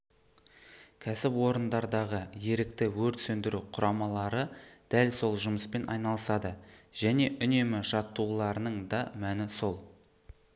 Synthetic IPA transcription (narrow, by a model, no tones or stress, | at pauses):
kʲʰæsɪpwo̞ɾənd̪ɑɾd̪ɑʁəje̞ɾɪkt̪ɪwɵɾt̪sɵnd̪ɪɾuqʰʊɾʔɑmɑlˠɑɾəd̪̥ælso̞lˠʒʊməspe̞nʔɑ̰jnɑlˠəsɑd̪əʒ̥æne̞ʔʏne̞mɪʃɑt̪ːulˠɑɾənəɴd̪ɑmænɪso̞lˠ